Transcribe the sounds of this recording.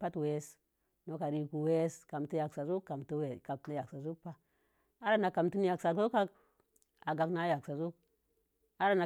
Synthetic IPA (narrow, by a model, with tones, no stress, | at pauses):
pa˦twe˦s | no˦ka˨ɾi˦ku˨we˦ska˨mtja˨ksa˨zu˦kːa˨mtu˦we˨ka˨tna˦ja˨ksa˨zu˦k̚pa˦ | a˦ɾa˦na˨ka˨mtu˦n˦ja˨ksa˨zu˦ka˦k | a˨ɡa˨kna˦ja˨ksa˨zu˦k̚ | a˦ɾa˦na˨